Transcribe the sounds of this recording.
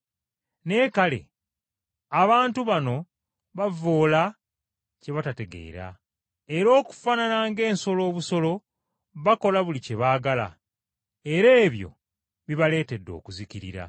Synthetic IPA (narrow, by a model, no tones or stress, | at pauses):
ne̞ːkalḛ | aβaːntuβano̞ | βavo̞ːla | ce̞βatate̞ɡe̞̰ḭɾa̰ | e̞ɾo̞ːku̥fananaːŋɡe̞ːnso̞lo̞ːβuso̞lo̞ | βako̞laβulice̞βaːɡala̰ | e̞ɾe̞ːβjo̞̰ | βiβale̞ːte̞dːo̞̰ːkuziciɾḭɾa̰